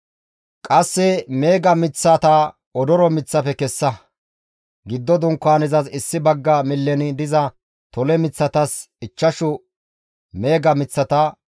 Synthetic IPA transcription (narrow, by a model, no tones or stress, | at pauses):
kʼɐsːɛme̞ːɡɐmɪt͡sːat̪a | ɔd̪ɔɾɔmɪt͡sːɐpɛkɛsːɐ | ɡɪd̪ːɔd̪ʊŋkːaːnɛzɐsɪsːɪbɐɡːɐmɪlːɛnɪd̪ɪzɐ | t̪ɔlɛmɪt͡sːɐt̪ɐs | ɪt͡ʃːɐʃʊ | me̞ːɡɐmɪt͡sːɐt̪ɐ